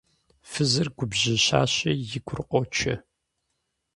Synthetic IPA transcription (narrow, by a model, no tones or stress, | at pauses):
fɨzɐrɡʷʊbʑɐɕa̰ːɕɐjɪɡʷʰʊrqʷʼɔt͡ʃʰɐ̰